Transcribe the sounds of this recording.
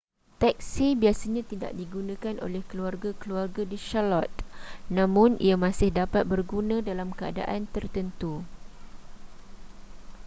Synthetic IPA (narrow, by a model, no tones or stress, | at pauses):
t̪ɛk̚sibiasaɲãt̪ida̰ʔdiɡunãkanʔo̰lɛhkəluarɡakəluarɡadiʃalɔt̪̚nãmʊ̃nḭamãsɪhdapat̪̚bərɡunãdalamkəa̰da̰ʔant̪ərt̪ənt̪u